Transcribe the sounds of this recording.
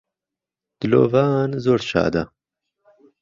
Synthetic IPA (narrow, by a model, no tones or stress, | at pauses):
d̪̥ɨlo̰ːvaːnzoːɾʃa̰ːd̪ɐ